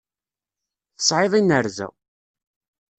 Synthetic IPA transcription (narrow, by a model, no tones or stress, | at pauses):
θə̥sˤʕeðˤinəɾzæ̰